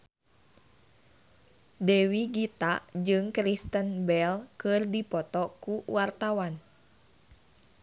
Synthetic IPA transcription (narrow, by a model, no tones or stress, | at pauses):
dɛwiɡit̪ad͡ʒɨŋkɾist̪ənbɛlkɨrdipɔt̪ɔkuwart̪awan